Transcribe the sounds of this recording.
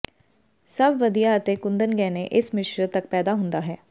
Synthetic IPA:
səbʋəd̪ijaət̪ekʊ̃nd̪ənɡɛ̃ːneʔɪsmɪʃɾət̪ɐk̚pɛːd̪aːɦʊ̃nd̪aːɦɛː

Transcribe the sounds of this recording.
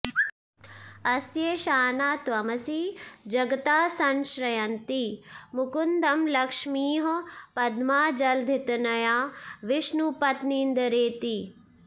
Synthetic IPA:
ɐsjeːʃaːnaːt̪ʋɐmɐsiːd͡ʒɐɡt̪aːsɐnʃɾɐjɐnt̪imukund̪ɐmlɐkʂmiːɦopɐd̪maːd͡ʒɐld̪ʱit̪nɐjaːʋɪʃnupɐt̪nind̪ɐɾeːt̪i

